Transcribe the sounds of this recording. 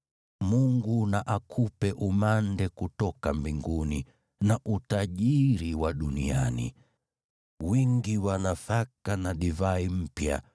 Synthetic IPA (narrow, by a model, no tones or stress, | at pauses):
muŋɡunaʔakʰupɛʔumandɛkutɔkambiŋɡuni | naʔutaʄiɾiwaɗunianḭ | wiŋɡiwanafakanaɗivaim̩pja̰